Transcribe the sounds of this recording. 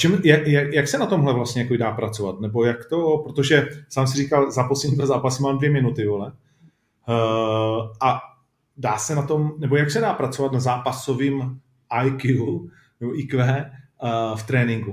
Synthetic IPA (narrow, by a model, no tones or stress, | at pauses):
t͡ʃɛmjajajaksɛnat̪o̞mɦlɛvlast̪ɲɛjakobɪdaːpɾat͡sova̰t̪nɛbo̞jakt̪o̞pɾot̪o̞ʒɛsaːms̬ɪriːkalzaposlɛɲit̪azaːpasumaːmdvjɛmɪnut̪ɪvolɛ | ʔa | daːsɛnat̪o̞mnɛbo̞jaksɛdaːpɾat͡sovat̪nazaːpaso̞vim | ʔajku | nɛboʔikvɛː | ft̪ɾɛːnɪŋɡu